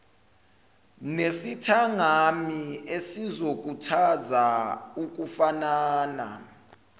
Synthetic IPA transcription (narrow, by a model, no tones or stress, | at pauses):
nesitʰaŋamiesizok̬utʰazauk̬ʼufanaːna̰